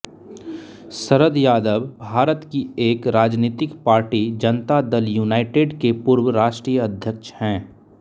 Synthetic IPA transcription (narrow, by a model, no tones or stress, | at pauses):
səɾəd̪jaːd̪əbbʱaːɾət̪kieːkɾaːd͡ʒniːt̪ɪkpaːɾʈid͡ʒənt̪ad̪əljuːnaːɪʈeːɖkepʊɾwəɾaːʃʈɾiːjəɐd̪ʱjəkʃhɛ̃ː